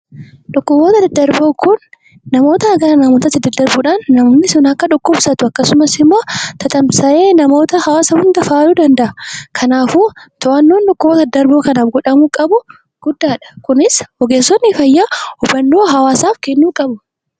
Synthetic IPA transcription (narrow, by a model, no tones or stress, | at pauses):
ᶑʊkːʊboːt̪ɐɐd̪ɐɾboːkʊnː | ɐmo̞ːt̪ɐɐɡɐɾɐnɐmot̪ɐt̪ːɪd̪ɐd̪ɐɾbʊᶑaːnːɐmːnːɪsʊnɐkːɐᶑʊkːʊbsɐt̪ʊɐkːɐsʊmɐsɪmːoːt̪ɐt̪ʼɐmsɐʔeːnɐmo̞ːt̪ɐhɐwaːsɐhʊnd̪ɐfaːluːd̪ɐnd̪ɐʔɐkʰɐnaːfuːt̪ɔʔɐnːoːnᶑʊkːʊboːt̪ɐd̪ɐɾbo̞ːkɐnaːfɡʊᶑɐmʊkʼɐbʊ | ɡ̥ʊd̪ːaːᶑɐ̥kʊnɪsɔɡeːsːɔnːɪfɐjːaːhʊbːɐnːoːɦɐwaːsaːfkɛnːuːkʼɐbʊ